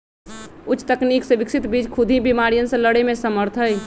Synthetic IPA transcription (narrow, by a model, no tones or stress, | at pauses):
ʊt͡ʃʰːt̪əkniːksẽʋɪksɪt̪biːd͡ʒkʰʊd̪ʱibimaɾijənsẽləɽemẽsəməɾt̪ʰəj